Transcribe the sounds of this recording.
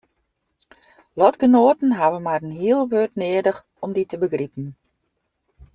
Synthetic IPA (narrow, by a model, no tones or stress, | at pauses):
lɔtɡ̥ənoːtn̩ɦaʋənmarənɦiəlˠʋøːtnɪədəx | ɔmditəbəɡripən̩